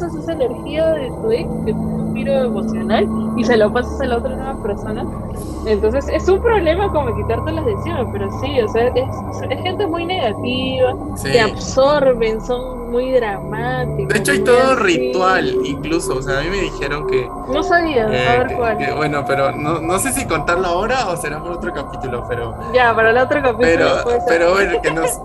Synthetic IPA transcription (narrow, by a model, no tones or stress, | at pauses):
sasesaene̞ɾxiaðelt̪uekket̪onunt̪iɾo̞emo̞sjo̞naliselopasasalaot̪ɾanweβape̞ɾsonas | e̞nt̪o̞ns̬e̞se̞sumpɾo̞βle̞mako̞moekit̪aɾt̪elazðesiɾmepe̞ɾo̞sioseaʔes | sesxent̪e̞mujne̞ɣ̞at̪iβa | sieaβso̞ɾβe̞nso̞n | mujðɾamat̪ikkd̪et͡ʃoajt̪oðorit̪waliŋklusoːseaːmĩme̞ðixe̞ɾo̞ŋke | no̞saβiaaβeɾkwaleβwenopeɾonono̞se̞s̬iko̞nt̪aɾlaoɾaoseɾampolot̪ɾokapit̪ulopeɾo | ɟ͡ʝapaɾalaot̪ɾokapietlɾopespeɾoaβeɾkenos